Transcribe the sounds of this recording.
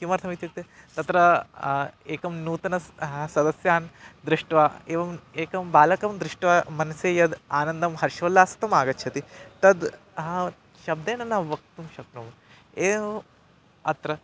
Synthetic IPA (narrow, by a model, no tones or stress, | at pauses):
kimɐɾt̪ʰɐmit̪juk̚t̪et̪ɐt̪ɾɐ | eːkɐmnuːt̪ɐnɐɦɐsɐd̪ɐsjaːnd̪ɾɪʂʈʋaːeːʋɐmeːkɐmbaːlɐkɐmd̪ɾɪʂʈʋaːmɐnɐseːjɐd̪aːnɐnd̪ɐmɦɐɾʃʋɐlːaːst̪ɐmaːɡɐtːʃʰɐt̪it̪ɐd̪ | ɐ | ʃɐb̚d̪eːnɐnɐʋɐk̚t̪umʃɐknum | eː | ɐt̪ɾɐ